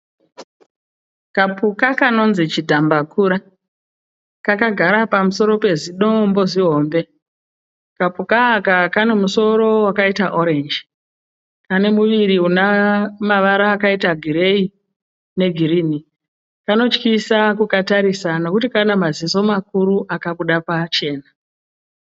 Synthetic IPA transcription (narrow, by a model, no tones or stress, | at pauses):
kapukakano̞nzit͡ʃidʱambakuɾa | kakaɡʱaɾapamuso̞ɾo̞pe̞ziɗo̞mbo̞ziɦo̞ːmbe̞ | kapukaːkakane̞muso̞ɾo̞wakaitaʔo̞ɾe̞nd͡ʒ | kane̞muʋiɾiɦunamaʋaɾaːkaitaɡʱiɾe̞i | ne̞ɡʱiɾiːni | kano̞t͡ʃkisakukataɾisano̞kutikanamaziso̞makuɾuʔakaɓuɗapat͡ʃe̞ːna